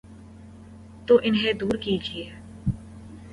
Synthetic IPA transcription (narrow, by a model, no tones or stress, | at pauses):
t̪oːʔɪnɦẽd̪uːɾkiːd͡ʒieː